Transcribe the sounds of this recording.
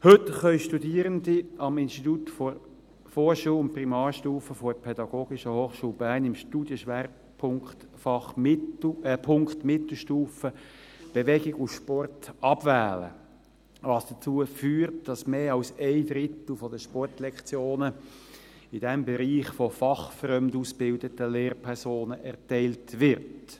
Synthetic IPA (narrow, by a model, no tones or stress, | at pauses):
hɵtχœʏʃtudiːɾəndiɑmɪnʃtit̪utfɔɾ | foːɾʃuːlʊntprimɑːɾʃtuːfəfɔpʰɛd̥ɑɡ̥oːɡ̥ɪʃəhoːχʃuːlbæːnɪmʃtuːd̥jəʃʋɛːr | pʰʊŋkt | fɑχm | pʰʊŋkt̪mɪt̪l̩ʃtuːfə | b̥eʋɛɡɪɡufʃpɔrtɑb̥væːlə̰ | ʋɑːsd̥ət͡suːəfyːɾtd̥ɑsmeːɑlseɪd̪ɾɪt̪l̩ˠfɔdəʃpɔrtlɛkt͡sjoːnə | ɪd̥ɛmbɛɾiːχfɔfɑχfrœmdusb̥ɪldətəleːrpʰɛɾsoːnəʔɛʁtɛɪltʋɪʁt